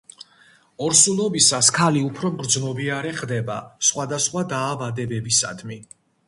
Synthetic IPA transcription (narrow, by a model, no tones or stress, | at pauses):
ɔɾsulˠɔbisaskʰaliupʰɾɔɡɾd̪znɔbiaɾɛχd̪ɛba̰sχwad̪asχwad̪aːvad̪ɛbɛbisa̰d̪mi